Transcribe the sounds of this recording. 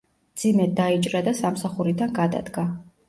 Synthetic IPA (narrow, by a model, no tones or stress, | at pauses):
d̪zimɛd̪ait͡ʃʼɾad̪asamsaχuɾid̪anɡad̪a̰d̪ɡa